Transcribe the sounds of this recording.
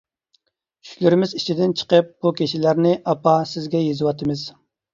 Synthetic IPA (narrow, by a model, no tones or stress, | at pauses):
kʰy̥ʃʲlɪɾɪmɪzit͡ʃʰid̪ɪnt͡ʃʰə̥qəp̚b̥ukʲʰeʃɪlæɾnɪʔɑpɑsɪzɡʲɛjezɨwɑt̪ʰɨmɨz̥